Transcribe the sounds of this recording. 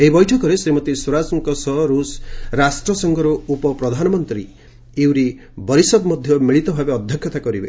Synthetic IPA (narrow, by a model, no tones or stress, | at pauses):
eɦibɔjʈʰɔkɔɾesemɔt̪eswɔɾad͡ʒɔŋkɔsɔɾusɾasʈɾɔsɔŋɡʱɔɾuupɔpɾɔd̪ʱanɔmɔnt̪ɾi | iwɾi | bɔɾisɔd̪mɔd̪ʱjɔmiɭit̪ɔbʱabeɔd̪ʱjɔkʰjɔt̪akɔɾibḛ